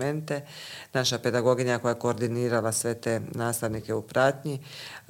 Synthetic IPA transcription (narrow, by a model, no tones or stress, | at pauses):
ment̪e̞naʃape̞d̪aɡo̞ɡiɲako̞jajeko̞ːɾd̪iniːɾalasʋe̞t̪e̞naːst̪aʋnike̞upɾat̪ɲi